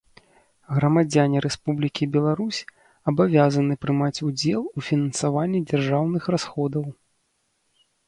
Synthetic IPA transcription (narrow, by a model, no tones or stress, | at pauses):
ɣɾɐmad͡zʲanʲiɾɛspublʲikʲibʲɛlˠaɾusʲ | ɐbavʲazɐnɨpɾɨmat͡sʲud͡zʲɛlˠufʲinɐnsavanʲːid͡zʲarʐawnɨxrasxɔd̪ɐw